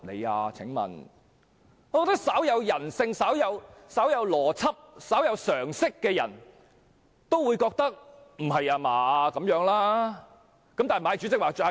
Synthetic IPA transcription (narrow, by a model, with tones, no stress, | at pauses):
nḛ˨˧ja̰ː˧t͡sʰɪ̰˨˥ŋmɐ̰˨n | ɔː˨˧kɔ˧kt̪ɐ˥ksɐ˨˥wjɐ˨˧wjɐ˨˩nsɪ˧ŋsɐ˨˥wjɐ˨˧wsɐ˨˥wjɐ˨˧wlɔː˨˩t͡sʰɐ˥p̚sɐ˨˥wjɐ˨˧wsœː˨˩ŋsɪ˥kːɛː˧jɐ̰˨˩n | t̪o˥wuː˨˧jkɔː˧k̚t̪ɐ˥k̚m̩˨˩ɦɐ˨jaː˧maː˨kɐ˨˥mjœː˨˥ŋlaː˥ | kɐ˦mt̪aː˨˩m˩˨ɐ˨jt͡ʃy˨˧˥t͡sɪ˥k̚waː˨˩hɐ˨